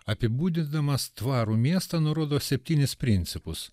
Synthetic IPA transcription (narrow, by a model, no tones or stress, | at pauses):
ɐpʲɪbuːd̪ʲɪd̪ɐmɐst̪ʋɑːɾuːmʲiɛst̪ɐnʊɾoːd̪oːsʲɛpʲt̪ʲiːnʲɪspʲɾʲɪnʲt̪sʲɪpʊs